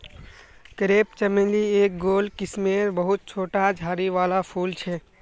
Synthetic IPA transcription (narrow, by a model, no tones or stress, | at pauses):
kɾep̚t͡ʃəmelieːk̚ɡolkismeɾbəɦut̪̚t͡ʃʰoːʈad͡ʒʱaːɾiʋalapʰuːlt͡ʃʰɛ